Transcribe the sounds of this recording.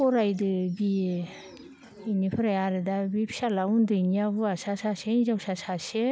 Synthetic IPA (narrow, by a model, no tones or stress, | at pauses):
ɔɾajdɯbi | inipʰɯɾajaɾɯdabipʰi̥salaundɯinijabɯasasasenizawsasase